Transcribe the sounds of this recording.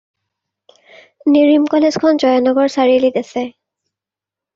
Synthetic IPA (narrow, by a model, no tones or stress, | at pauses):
niɹimkɔlez̥kʰɔnzɔjɔnɔɡɔɹsaɹilitasɛ